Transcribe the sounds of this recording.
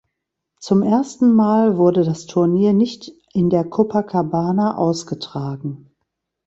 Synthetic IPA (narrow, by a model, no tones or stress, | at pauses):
t͡sʊmʔeːɐstn̩maːlvʊɐdədastʰʊɐniːɐnɪçt | ʔɪndeːɐkʰʊpʰɐkʰabaːnaʔa̰ʊsɡ̥ətʁ̥aːɡŋ̩